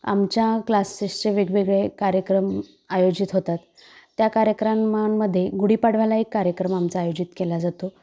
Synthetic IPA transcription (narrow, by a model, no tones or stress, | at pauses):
a̰mt͡ɕjaklasist͡seʋeɡʋeɡɭekaɾjəkɾəm | ajod͡ʑit̪ɦot̪at̪ː | jakaɾjəkɾamːamːəd̪ʱːjeɡuɽiːpaɽ̤ʋalaekːaɾjəkɾəmamt͡saːjod͡ʑit̪kelad͡zat̪o